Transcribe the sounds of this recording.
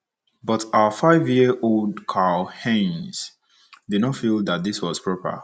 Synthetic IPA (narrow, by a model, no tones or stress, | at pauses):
bʌtaəfaɪvjiʔolˠdkʰahɛ̃nz̥ | didnɔtfilˠðat̚d̪iswɔz̥pʰɹɔpə̰